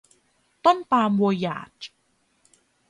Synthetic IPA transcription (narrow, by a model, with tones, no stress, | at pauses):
t̪o˥˩npaː˧mwu˧ja̰ː˨˩t̪̚